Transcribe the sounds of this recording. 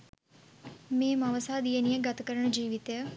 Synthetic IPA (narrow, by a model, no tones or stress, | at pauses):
mẽːmaʋəsaːd̪ienijẽɡət̪kəɾəɳd͡ʒiːʋɪt̪jaː